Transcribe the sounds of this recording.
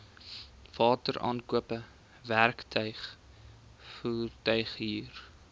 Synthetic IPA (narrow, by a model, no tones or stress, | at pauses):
v̥ɑːtəɾʔɑ̰ːnkuəpə | værktʰœɥχ | fuːrtœɥχɦiːr